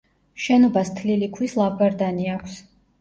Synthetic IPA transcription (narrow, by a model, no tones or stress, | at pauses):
ʃɛnɔbast̪ʰlilikʰwislˠabʰaɾd̪aniakʷʰs